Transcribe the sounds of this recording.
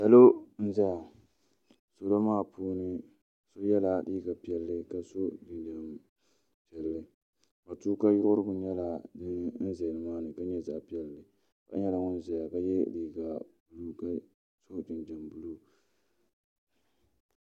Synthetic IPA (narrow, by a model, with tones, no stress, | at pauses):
sa˨lo˦n̩˦za˦ja˨ | so˦lo˦maː˦˨pʰoː˦nɨ˦ | so˦jɛ˦la˨diː˦ɡa˨pi˨ɛ˦lːɨ˦ka˨so˦dɨ˨nd͡ʒa˨m | pi˨ɛ˨lːɨ˦ | ba˨tuː˦ka˦jʊ˦ʔʊ˦ɾɨ˦bʊ˨ɲɛ˦la˨dɨ˦n˦n̩˦ze˨nɨ˨maː˦nɨ˨ka˦ɲɛ˦za˨pi˦ɛ˦lːɨ˨ | ka̰˦ɲɛ˦la˨ŋʊ˦n˦za˨ja˨ka˦jɛ˦diː˨ɡa˨bu˦lu˦ka˦ | so˦dɨ˨nd͡ʒa˨mbu˦lu˦